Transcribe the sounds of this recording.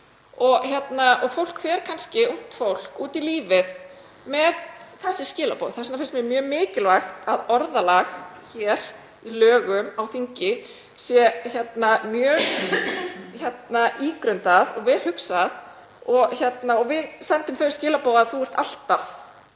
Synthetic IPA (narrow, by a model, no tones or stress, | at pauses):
ɔɣçjɛt̪naʔɔɣfowl̥kfɛːɾkʰanscɪun̥t̪fowl̥kuːt̪iliːvɪð | mɛðθɛsːɪscɪːlapoːðθɛsnafɪnst̪mɛmjœːmɪːcɪlvaxt̪aðɔɾðalax | çɛːɾ̥ | ilœːɣʏmawθiɲcɪ | sjɛçjɛt̪namjœːɣ | çjɛt̪naʔiːkɾœɥnt̪aðɔɣvɛːl̥hʏksað | ɔɣçjɛt̪naɔɣvɪðsɛnt̪ʏmθœɥscɪːlapoːwðaðθuwɛɾ̥t̪al̥t̪af